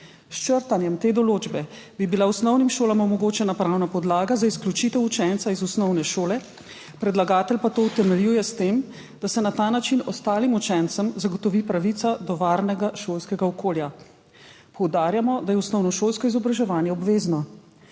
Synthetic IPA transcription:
ʃt͡ʃəɾt̪anjɛmt̪eːd̪ɔloːd͡ʒbɛ | bibilausnɔwnimʃoːlamɔmɔɡoːt͡ʃɛnapɾawnapɔd̪laːɡazaisklʲjut͡ʃit̪ɛwut͡ʃɛnt̪saizusnɔwnɛʃoːlɛ | pɾɛd̪laɡaːt̪ɛlpat̪oːwt̪ɛmɛljuːjɛst̪eːm | d̪̥asɛnat̪aːnat͡ʃinɔst̪aːlimut͡ʃɛnt̪səmzaɡɔt̪ɔʋiːpɾaʋit̪ad̪ɔʋaɾnɛɡaʃoːlskɛɡaɔkoːlja | pɔwd̪aːɾjamɔd̪ajɛusnɔwnɔʃolskɔizɔbɾaʒɛʋaːnjɛɔbʋeːznɔ

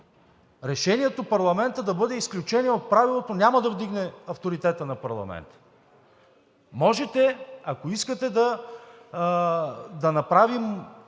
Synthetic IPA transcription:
ɾɛʃɛniɛt̪opɐɾlˠɐmɛnt̪əd̪ɐbɤd̪ɛisklʲut͡ʃɛnʲiɛot̪̚pɾavilˠot̪onʲaməd̪ɐvd̪iɡnɛɐft̪oɾit̪ɛt̪ənɐpɐɾlˠɐ̰mɛ̰nt̪ə̥ | mɔʒɛt̪ɛakoiskət̪ɛd̪ɐ | d̪ɐnɐpɾavim

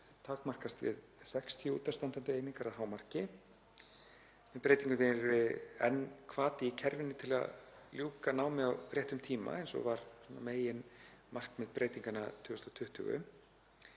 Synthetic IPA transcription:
t̪ʰaːkmar̥kast̪vɪ̰ð | sɛkst̪ʰiʏṵːt̪ast̪ant̪ant̪ɪeːjniŋkaɾaðɦaːwmar̥cɪ | mɛðpɾeːjt̪iŋkʏnenɾvɪɛnːkʰvaːt̪ɪicʰɛɾvɪnːɪt̪ʰɪla̰ðljuːkanaːwmɪðawpɾjɛht̪ʏmt̪ʰiːma̰ejnsɔ̰ɣvaɾsɔnːa̰meːjɪn | mar̥kmɛðpɾeːjt̪iŋkanat̪ʰʏːɣʏst̪ɔwt̪ʰʏht̪ʏ̰ɣʏ̰

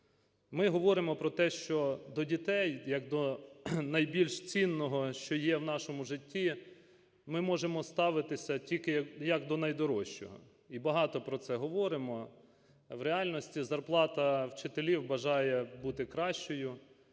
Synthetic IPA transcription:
mɪɦɔʋɔɾɪmɔpɾɔt̪ɛʃt͡ʃɔd̪ɔdʲit̪ɛjjɐkd̪ɔnɐjbʲilʲʃt͡sʲinːɔɦɔʃt͡ʃɔjɛwn̪ɑʃɔmʊʒɪtʲːi | mɪmɔʒemɔst̪ɑʋɪt̪ɪsʲɐtʲilʲkɪɐjɐkd̪ɔnɐjd̪ɔɾɔʃt͡ʃɔ̰ɦɔ̰ | ibɐɦɑt̪ɔpɾɔt̪sɛɦɔʋɔɾɪmɔ | wɾeɑlʲnɔsʲtʲizɐrplˠɑt̪ɐwt͡ʃɪt̪elʲiwbɐʒɑjɛbut̪ɪkɾɑʃt͡ʃɔjʊ

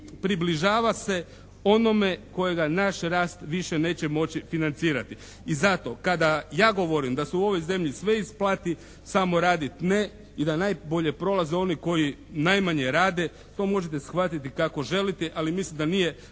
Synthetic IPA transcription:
pɾibliʒaːʋase̞ | o̞no̞me̞ko̞je̞ɡanaʃɾaːst̪ʋiʃene̞ːt͡ɕe̞mo̞t͡ɕifinant̪siːɾat̪i | izat̪o̞kad̪ajaːɡo̞ʋo̞ɾimd̪asuuo̞ʋo̞jze̞mʎisʋe̞isplˠat̪i | samo̞ɾaːd̪it̪ne | id̪anajboʎe̞pɾo̞lˠazeo̞niko̞jinajmaɲe̞ɾaːd̪e̞ | t̪o̞ːmo̞ʒe̞t̪̬e̞sxʋat̪it̪ikako̞ʒe̞lit̪eʔalimislimd̪anije̞

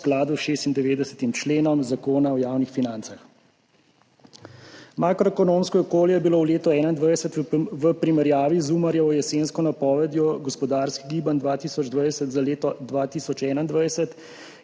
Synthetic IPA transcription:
klaːd̪uʃeːst̪ind̪ɛʋeːd̪ɛsə̥t̪imt͡ʃleːnɔmzakoːnaɔjaːwnixfinant̪sax | makɾɔɛkɔnomskɔɔkoːljɛjɛbilowleːt̪ɔɛːnaind̪ʋajsət̪ʋəpɾimɛɾjaːʋizuːmaɾjɛɔjɛseːnskɔnapɔːʋɛd̪jɔɡɔspɔd̪aːɾskiɡiːband̪ʋaːt̪iːsɔd͡ʒd̪ʋajsət̪zaleːt̪ɔd̪ʋaːt̪iːsɔt͡ʃɛːnaind̪ʋajsət̪

